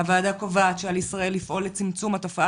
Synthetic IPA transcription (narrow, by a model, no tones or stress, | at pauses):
avaːd̪akovaːt̪ʃealisʁae̞lːifʔo̞let͡simt͡sumhato̞fa